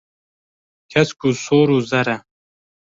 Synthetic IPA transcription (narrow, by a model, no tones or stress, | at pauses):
kʰɐskusoːɾuzɐɾɐ